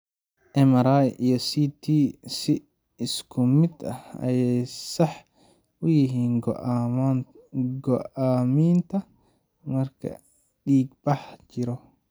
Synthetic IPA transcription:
ʔɛmɐɾajijɔsit̪ʰisɪ | ɪskʰʊmɪd̪ɐ̰hɐ̰jɛjsɐħ | ʔʊjɪɦiːŋ | ɡɔʔaːmiːnt̪ʰɐ | mɐrkʰɐ̰ | ɗiːɡbɐħt͡ʃɪɾɔ

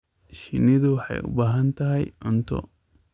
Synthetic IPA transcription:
ʃɪnːɪd̪uwħɐ̰jʊ̰baːɦɐnt̪ɐɦɐjɔnt̪ɔ̰

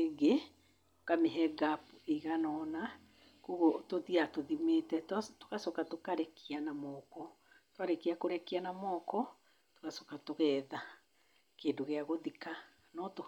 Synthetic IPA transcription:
eɡe | okameɦɛɡapuiɣanɔna | kuɣotoðiatoðimeːtɛtto̥kasokatokaɾɛkʰianamɔːkɔ | twaɾɛkiakoɾɛkianamɔkɔ | to̥kasokatoɣɛːða | keːndoɣeaɣoðika | nɔto

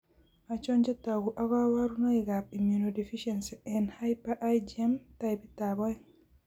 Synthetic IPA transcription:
ʔat͡ʃɔɲd͡ʒɛtaɡuʔaɡawaɾunɔjiɡabimjunodifiʃɛnsɛnhajpaʔajd͡ʒiɛmtajbitabɔj

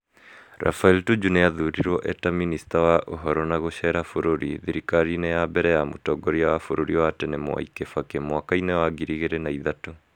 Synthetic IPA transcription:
ɾa̰failtud͡ʒuneaðuɾiɾwɔʔɛtaministawaʔoɦɔɾɔnaɣoɕɛɾafoɾoɾḭðiɾikaɾinejabɛɾɛjamotɔɡɔɾiawafoɾoɾiɔwatɛnemw̰a̰ikefakemwakainewaɡiɾiɣeɾenaiðato

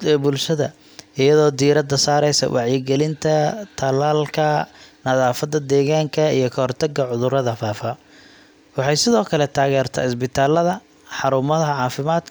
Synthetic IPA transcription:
bʊlʃɐðɐ̰ | ɪjɐðɔːd̪iːɾɐd̪ɐsaːɾɛjsɐ̰wʔɑʕjɪɡɛlɪnt̪ʰɐt̪ʰɐlaːlkʰɐnɐðaːfɐd̪ɐd̪ɛːɣaːŋkʰɐijɞkʰɐhɔrt̪ʰɐɡɐʕʊðʊɾɐðɐfaːfɐ | wɑħɑjsɪðɔːkʰɐlɛt̪ʰaːɣɛːrt̪ʰɐ̰ːɪsbɪt̪ʰaːlːɐðɐ | ħɑɾʊmɐðɐɦɐʕɑːfɪmaːd̪

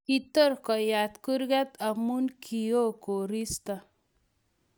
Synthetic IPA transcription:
it̪ɔɾkɔjat̪kuɾɡat̪əmunkijokoɾist̪a

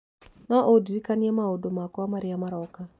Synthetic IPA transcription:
nɔʔodiɾikaniɛmaodomakɔamaɾeamaɾɔka

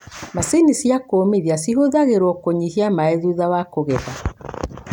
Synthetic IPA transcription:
masenisjakomeðjasiɦoðaɣeɾwɔkoɲihiamaeðuðawakoɣɛɣa

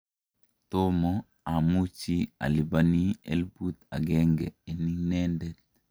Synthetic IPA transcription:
tomo | amut͡ʃia̰libaniḛlbut̪aɡeŋɡɛ̰eniŋnɛndɛt̚

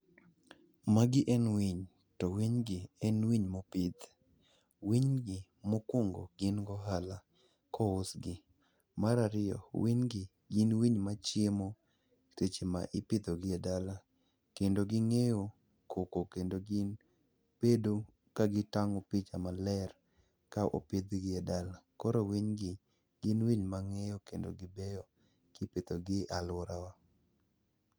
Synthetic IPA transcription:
maɡɪʔɛnwiɲ | tɔwiɲɡɪɛnwiɲmopɪt̪ | wiɲɡɪ | mokwoŋɡo̰ɡɪnɡɔɦala | kɔʊsɡɪ | maɾaɾɪɔ̰wiɲɡɪ | ɡɪnwiɲmat͡ʃjemo | tet͡ʃema̰ʔɪpɪt̪oɡɪadala | kendoɡɪŋejo | kʰokokendoɡɪn | pedo | kaɡɪtaŋɔpit͡ʃamalɛr | kaʔo̰ped̪ɡɪadalakɔɾowiɲɡɪ | ɡ̥ɪnwiɲmaŋejokendo̰ɡɪbɛjɔ | kɪpɪt̪oɡɪalʊɾawa

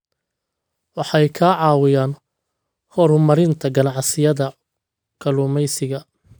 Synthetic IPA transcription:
wɑħɑjkʰaʕɑːwɪjaːn | hɔɾʊmɐɾɪnt̪ʰɐɡɐnɑʕsɪjɐðɐ | kʰɐlʊːmɛjsɪɣɐ

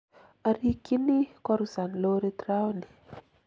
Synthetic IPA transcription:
aɾikinikwaɾuzaniloɾet̪rawni̥

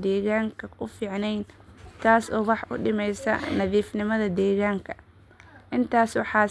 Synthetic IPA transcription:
d̪ɛːɣaːŋkʰɐʊfiːʕnɛjnt̪ʰaːsɔːwɑħʔʊɖɪmɛjsɐ̰nɐðiːfnɪmɐðɐd̪ɛːɣaːŋkʰɐ̥ | ʔɪnt̪ʰaːswɑħɑː

